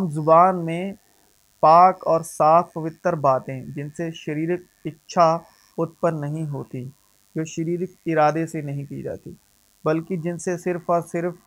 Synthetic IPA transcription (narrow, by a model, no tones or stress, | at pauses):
mzʊbaːnmẽ | paːkɔːɾsaːfpɐʋɪt̪ːəɾbaːt̪ẽd͡ʒɪnseʃɐɾiːɾɪk̚ | ɪtːʃʰa | ʊt̪̚pənːɐɦĩɦoːt̪i | d͡ʒoːʃɐɾiːɾɪk̚ɪɾaːd̪esenɐɦĩkḭd͡ʒa̰ːt̪i | bɐlkid͡ʒɪnsesɪɾfɔsɪɾf